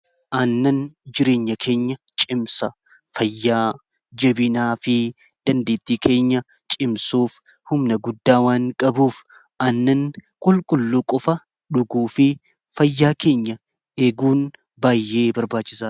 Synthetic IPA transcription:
ʔɐnːɐnd͡ʒɪɾe̞ːɲːɐkʰe̞ːɲːɐt͡ʃʼɪmsɐ | fɐjːaː | d͡ʒɐbɪnaːfɪ | d̪̥ɐnd̪e̞ːt̪ːiːkʰe̞ːɲːɐ | t͡ʃʼɪmsuːf | hʊmnɐɡʊd̪ːaːwaːŋkʼɐbuːf | ɐnːɐnkʼʊlkʼʊlːuːkʼɔfɐ | ᶑʊɡuːfɪ | fɐjːaːke̞ːɲːɐ | eːɡuːn | baːjːe̞ːbɐɾbaːt͡ʃːɪsaː

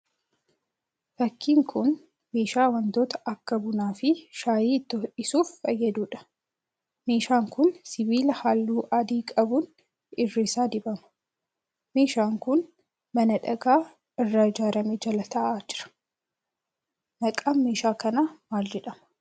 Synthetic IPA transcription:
fɐkːiːŋkʰʊn | meːʃaːwɐnd̪oːt̪ɐ̥ʔɐkːɐbʊnaːfɪʃaːjiːt̪ːɔʔɪsuːfːɐjːɐd̪uːᶑɐ̥ | meːʃaːŋkʊnsɪbiːlɐhalːuːʔɐd̪iːkʼɐbʊn | ɪrːeːsaːd̪ɪbɐmɐ̥ | meːʃaːŋkʊn | mɐnɐᶑɐɡaː | ɪrːaɪd͡ʒaːɾɐmeːd͡ʒɐlɐt̪ʰɐʔaːd͡ʒɪɾɐ̥ | nɐkʼaːnmeːʃaːkɐnamaːld͡ʒɛᶑɐmɐ̥

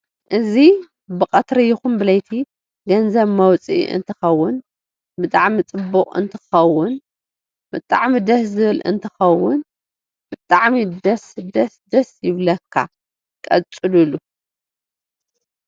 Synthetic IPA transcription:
ʔɨzi | bɨkʼɐt̪ɾɐjɪxumbɨlɐjt̪ʰi | ɡɐnzɐβmɐwt͡sʼḭʔɨ̰nt̪ʰɨxɐwːʊn | bɨt̪ʼaʕmit͡sʼɨbːuχʼɨ̰nt̪ʰɨ̥xɐwʊn | bɨt̪ʼaʕmid̪ɐszɨβɨlʔɨ̰nt̪ʰɨxɐwːʊn | bɨt̪ʼaʕmid̪ɐsd̪ɐsd̪ɐsjɪβlɐkʰːa̰ | kʼɐ̰t͡sʼːɨlulu

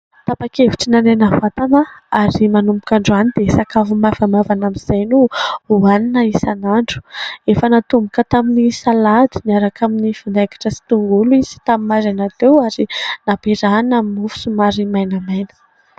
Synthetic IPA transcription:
t̪apakeviʈ͡ʂinanenavat̪anəaɾimanumpbu̥kaɳɖ͡ʐuanid̪̥esakavumavamavanamiz̥ajnuuaninəisanaɳɖ͡ʐu̥efənat̪umbukət̪aminisalad̪i̥miaɾakaminifand̪ajkḁʈ͡ʂəsi̥t̪uŋɡuluizi̥t̪amimaɾanat̪ewaɾinapeɾanaminufu̥sumaɾimajnəmajnə̥

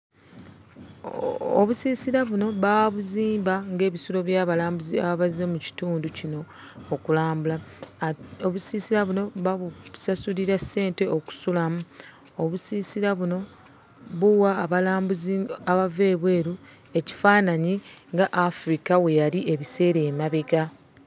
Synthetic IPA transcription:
oβusiːsiɾaβuno̞βaβuziːmbaŋɡe̞ːβisulo̞βjaβalaːmbuzia̰βaβazːemuci̥tuːnducino̞ː | kulaːmbula | oβusiːsiɾaβuno̞βaβusasuliɾasːe̞ːnte̞o̞ku̥sulamu | oβusiːsiɾaβuno̞ | βuwaːβalaːmbuziaβave̞ːβwe̞ːɾu | e̞ci̥faːnaɲiŋɡaʔafɾikawe̞jaliʔe̞βise̞ːɾeːmaβeɡa

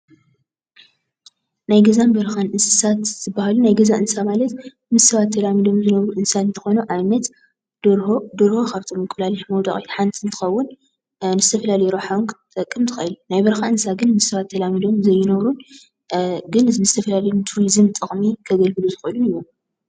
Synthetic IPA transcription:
najɡɐzambɐɾxanʔɨnsɨsat̪z̥ɨbːahalunajɡɐzaʔɨnsamalɐt̪ | mɨsːɐβat̪ʰːɐlamid̪o̞mzɨnɐβɾuʔɨnsaɨnt̪ʰɐ̥xo̞nuʔaβnɐt̪ | d̪oɾhoxaft̪ʰʼomɨkʼːlaliħmɐwd̪aχʼit̪ħant̪ʰint̪ʰɨ̥xɐwːʊn | nɨzɨt̪ʰɐfɐlalɐjuɾoħawnkʰt̪ʼɐkʼːɨmt̪ʰɨ̥xɐ̰ɨlunajbɐɾxaʔɨnsaɡɨnmɨsːɐβat̪ʰːɐlamid̪o̞mzɐjːɪnɐβɾun | ɡɨnzɨzɨt̪ʰɐfɐlalɐjunt̪ʰuɾizɨmt̪ʼɨχʼmikʰɐɡɐlɡɨluzɨxuʔɨlunɨjːo

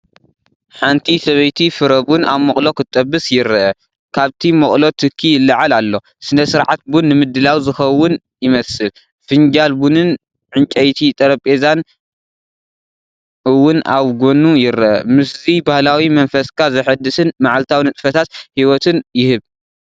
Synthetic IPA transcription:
ħant̪ʰisɐβɐjt̪ʰifɨɾɐβuna̰βmɐχʼlo̞kʰɨt̪ʼːɐbːɨsjɪɾɐʔɐ | kʰaβt̪ʰimɐkʼlo̞t̪ʰɨkʰːijɪlːɐʕalalːo̞ | sɨnɐsɨɾʕat̪̚bunːɨmɨd̪ːɨlawzɨxɐwːʊn | jɪmɐsɨl | fɨɲd͡ʒalbunɨn | ʕɨnt͡ʃʼɐjt̪ʰit̪ʼɐɾɐpʼezan | ɨwːʊnaβɡonujɪɾɐʔɐ̰mɨszibahlawimɐnfɐskʰazɐħɨd̪ːɨsɨnmaʕalt̪ʰawnɨt̪ʼfɐt̪ʰat̪hiwɔt̪ʰɨnjɪhɨβ

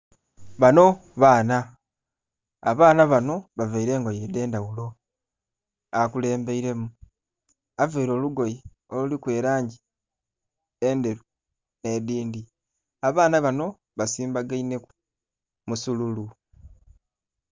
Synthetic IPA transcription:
βano̞ | βaːna | βaːnaβano̞βaveiɾe̞ːŋɡo̞jede̞ːndawulo̞ | akule̞ːmbe̞iɾe̞mu | aveiɾo̞ːluɡo̞ji | o̞lulikwe̞ːɾaːɲɟi | e̞nde̞ɾu | ne̞diːndi | aβaːnaβano̞ | βasiːmbaɡaine̞ku | musululu

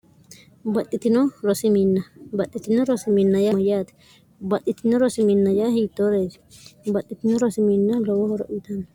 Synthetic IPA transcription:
bɐt̪ʼːɪt̪ɪnɔɾɔsɪminːɐbɐt̪ʼːɪt̪ɪnɔɾɔsɪminːɐjajaːt̪ɛ̥ | bɐt̪ʼːɪt̪ɪnɔɾɔsɪminːɐjahiːt̪ːoːɾeːd͡ʒ̪ɪ̥bɐt̪ʼːɪt̪ɪnɔɾɔsɪminːɐlɔwɔhɔɾɔʔɪːt̪ɐnɐ

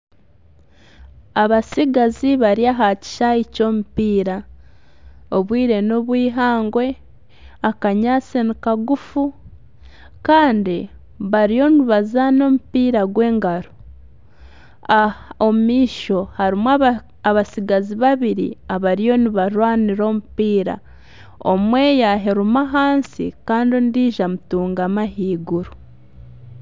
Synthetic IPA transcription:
aβasiɡaziβaɾiaɦaci̥ʃaico̞ːmupiːɾa | oβwiːɾe̞no̞βwiːɦaːŋɡwe̞ | akaɲaːsenikaɡufu | kaːndi | βaɾio̞nuβazano̞mupiːɾaɡwe̞ːŋɡaɾu | aomiːʃo̞haɾimwa | aβasiɡaziβaβiɾḭaβaɾijo̞niβaɾwaːniɾo̞ːmupiːɾa̰ | o̰mwe̞ːjaɦeɾumaɦaːnsḭkaːndindiːʒamutuːŋɡamaɦiːɡuɾu

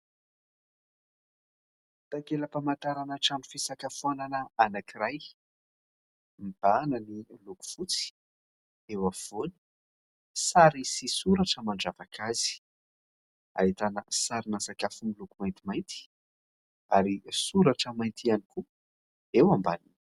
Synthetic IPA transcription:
t̪akeləpamant̪aɾanaʈ͡ʂanu̥fisakafananəanakiraj | mb̥anəniluku̥fut͡si̥ | ewav̥oni̥ | saɾisisuɾaʈ͡ʂəmaɳɖ͡ʐavakʰazi̥ | a̰it̪anəsaɾinasakafumilukumajnt̪imajnt̪i̥ | aɾisuɾaʈ͡ʂəmajnt̪ianiku | ewamba̰nin

